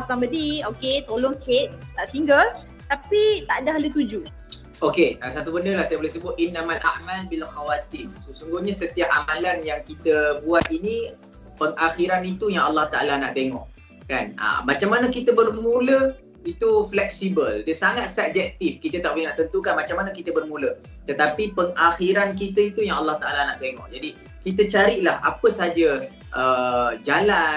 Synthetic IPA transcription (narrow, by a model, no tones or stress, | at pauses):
sambədioket̪olɔŋket̪st̪aʔsiŋɡəl | t̪apit̪aʔdahlət̪ud͡ʒu | ʔokeasat̪ubəndəlahsajəbolɛhs̬əbʊt̪̚ʔinːamalʔa̰ʔmalbilxawat̪imsəsuŋɡuɲasət̪iap̚amalanjaŋkit̪əbuat̪̚ini | pəŋaxiɾanit̪ujaŋɑlːɑht̪aʔa̰lanaʔt̪eŋɔ̃ʔ | kanə̰mat͡ʃamanəkit̪əbərmũlə | it̪uflɛk̚sibəldəsaŋat̪̚sab̚d͡ʒɛk̚t̪ifkit̪ət̪aʔbulnaʔt̪ənt̪ukanmat͡ʃamanəkit̪əbərmũlə | t̪ət̪apipəŋaxiɾank̬it̪əit̪ujaŋɑlːɑht̪aʔalanaʔt̪eŋɔ̰ʔ̚d͡ʒadi | kit̪ət͡ʃaɾiʔlaha̰pəsad͡ʒə | ʔəd͡ʒala